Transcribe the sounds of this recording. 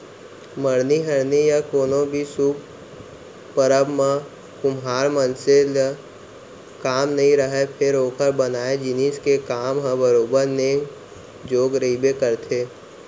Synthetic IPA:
məɾniɦɐɾnijakoːnõbʱisuːb | pəɾəbmã | kʊmɦaːɾmənsel | kaːmnɐɦĩɾəɦɛpʰɪɾoːkʰəɾbənaːed͡ʒɪniːskekaːmɦə̃bəɾoːbəɾneː | d͡ʒoːɡɾibekəɾt̪ʰeː

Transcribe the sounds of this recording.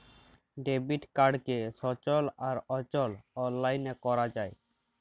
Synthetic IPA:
ɖebiʈkaɾɖkeʃɔt͡ɕolaɾɔt͡ɕɔlɔnːajnekɔɾad͡ʑae

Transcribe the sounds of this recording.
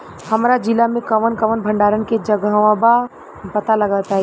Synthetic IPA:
həmɾad͡ʒɪlamẽkəʋənkəʋənbʱə̃ɳɖaːɾənked͡ʒəɡəʋãba | pət̪aləɡət̪aɦɛ

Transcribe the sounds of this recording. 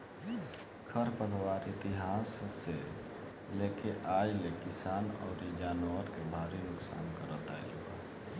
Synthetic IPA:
kʰəɾpəɾwaɾit̪iɦasːe | lekeʔad͡ʒlekisanɔ̰ːɾid͡ʒaːnwəɾkebʱaɾinʊksa̰ːnkəɾət̪a̰jluba̰

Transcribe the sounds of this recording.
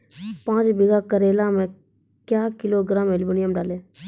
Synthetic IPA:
pãːt͡ʃbɪɡakəɾeːlamẽ | kjaːkɪloːɡɾaːmelbənɪjəmɖaːleː

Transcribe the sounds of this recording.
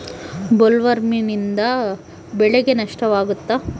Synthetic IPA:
bolʋɐɾminind̪ɐ | bɛɭeɡenɐʂʈɐʋaːɡut̪ːa

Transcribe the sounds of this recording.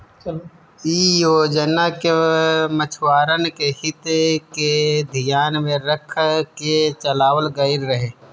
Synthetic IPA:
t͡ʃ | iːod͡ʒənːakemət͡ʃʰwaːɾənkehɪt̪ked̪ʱɪjaːnmẽɾəkʰket͡ʃəlaːwəlɡɐɪɾɾɐɦeː

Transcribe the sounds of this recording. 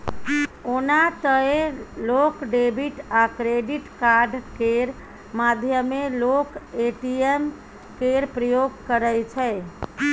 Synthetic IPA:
onat̪əelokɖebʱiʈakɾeɖiʈkaɾɖkeɾ | mad̪ʱjəmelokeʈiem | keɾpɾəjoɡ̚kəɾəjt͡ʃʰɛ

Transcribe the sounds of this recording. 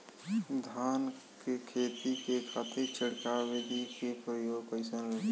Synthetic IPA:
d̪ʱaːn | kekʰeːt̪ikekʰaːt̪iɾt͡ʃʰəɽkaʋɪd̪ʱikepɾəjoːɡpəɪsənɾə

